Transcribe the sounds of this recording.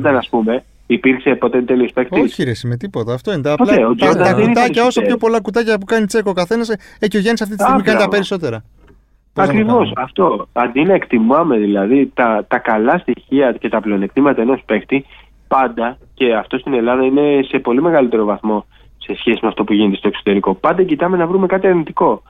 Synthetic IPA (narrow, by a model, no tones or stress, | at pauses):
t̪ɐnɐspume̞ | ipiɾkse̞po̞t̪et̪e̞liospekt̪ioçiɾesime̞t̪ipo̞t̪ɐːft̪o̞inet̪ɐpolɐt̪eoɐkut̪ɐcɐo̞sɐpçopo̞lɐkut̪ɐcɐpukɐnit͡se̞kokɐθe̞nɐseecoʝenisɐft̪it̪ist̪iɣmiikɐnt̪ɐpeɾiso̞t̪e̞ɾɐ | poɐkɾivo̞sɐft̪o̞ɐnd̪inɐekt̪imɐmeðilɐðit̪ɐt̪ɐkɐlɐst̪içiɐce̞t̪ɐple̞o̞ne̞k̚t̪imɐt̪ɐeno̞spe̞xt̪i | pɐnd̪ɐ | ce̞ɐft̪o̞st̪ine̞lɐðɐine̞se̞po̞lime̞ɣɐlit̪e̞ɾo̞vɐθmo̞ | se̞sçesimeɐft̪o̞puʝine̞t̪est̪o̞ksot̪e̞ɾiko̞pɐnd̪ɐcit̪ɐme̞nɐvɾume̞kɐt̪iɐɾnit̪iko̞